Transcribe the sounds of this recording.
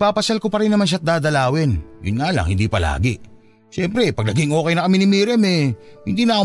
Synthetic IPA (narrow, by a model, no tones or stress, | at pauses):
paːpɐsalkopɐɾɪnːɐmanʃ̬at̪̚d̪aːd̪ɐlaːwɛnjʊ̰nŋaːlɐ̰ŋhɪ̰nd̪ipɐla̰ːɡɛ | ʃɛmpɾɛpɐɡ̚nɐɡiŋo̞ːkɛjnɐkɐmɪnɪmiɾɛmɛhɪ̰nd̪iːnɐ